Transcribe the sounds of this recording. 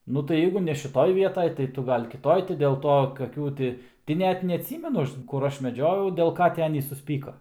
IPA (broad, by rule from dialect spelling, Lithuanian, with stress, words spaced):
ˈnʊ tɐɪ ˈjɛɪɡʊ nʲɛ ʃʲɪˈtoːj ˈʋʲiɛtɐj tɐɪ ˈtʊ ˈɡɐlʲ kʲɪˈtoːj tɐɪ dʲeːlˠ ˈtoː kɐˈkʲuː tʲɪ tɐɪ ˈnʲɛt nʲɛɐtʲˈsʲiːmʲɛnʊ ˈɐʃ kʊr ˈɐʃ mʲɛˈd͡ʒʲoːjɛʊ dʲeːlˠ ˈkɐ tʲɪ ˈɑːnʲiːs sʊsʲˈpʲiːkoː